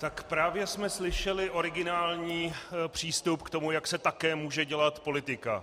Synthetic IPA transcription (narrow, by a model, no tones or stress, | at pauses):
t̪akpɾaːvjɛsmɛslɪʃɛlɪʔo̞ɾɪɡɪnaːlɲiːpr̝̥iːst̪upkt̪o̞mujaksɛt̪akɛːmuːʒɛɟɛlat̪po̞lɪt̪ɪka̰